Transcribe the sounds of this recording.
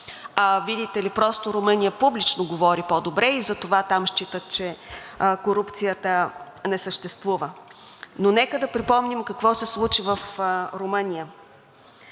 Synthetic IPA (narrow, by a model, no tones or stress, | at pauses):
avid̪it̪ɛlipɾɔst̪oɾomɤnijəpublit͡ʃnoɡovɔɾipod̪obɾɛizɐt̪ovat̪amʃt͡ʃit̪ət̪̚t͡ʃɛ | koɾupt̪sijət̪ə | nɛsəʃt̪ɛst̪vuvə | nonɛkəd̪ɐpɾipɔmnimkɐkvɔsɛslˠut͡ʃivəfɾomɤnʲijə